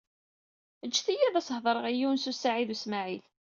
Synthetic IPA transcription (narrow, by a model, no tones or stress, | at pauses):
əd͡ʒːθijæðæshðˤəɾˤəʁijiwnsusaʕiðusmaʕil